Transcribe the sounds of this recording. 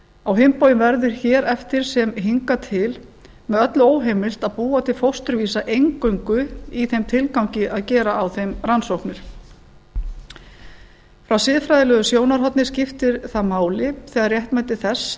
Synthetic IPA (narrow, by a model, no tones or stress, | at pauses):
awɦɪmpoːwjɪmvɛɾðʏɾ̥çɛːɾɛft̪ɪɾ̥sɛmɦiŋkat̪ʰɪl | mɛðœt̪lʏoːwɦejmɪl̥t̪aðpuːat̪ʰɪlfowst̪ʏɾviːsaʔejŋkœɥŋkʏiθejmt̪ʰɪlkawɲcɪʔaðcɛːɾaːwθejmransowhknɪɾ̥ | fɾawsɪðfɾajðɪlœðʏsjoːwnaɾ̥ɦɔt̪nɪ̥scɪft̪ɪɾθaðmaːwlɪθɛːɣaɾrjɛht̪majt̪ɪ̥θɛsː